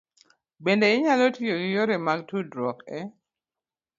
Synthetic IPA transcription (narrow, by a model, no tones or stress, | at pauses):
bendeɪɲalotijoɡijoɾemaɡ̚tudɾɔkɛ